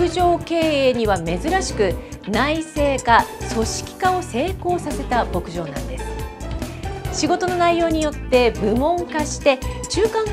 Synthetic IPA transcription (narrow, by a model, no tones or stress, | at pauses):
ɯ̟ʑo̞ːke̞ːeːɲ̟iβame̞zɨɾaɕi̥kɯ̟naise̞ːkaso̞ɕi̥kʲi̥kao̞se̞ːko̞ːsase̞t̪abo̞kɯ̟ʑo̞ːnã̰nd̪e̞sɨ̥ | ɕiɡo̞t̪o̞no̞naijo̞ːɲ̟ijo̞t̪ːe̞bɯ̟mõ̞ŋkaɕi̥t̪e̞t͡ɕɨːkãŋ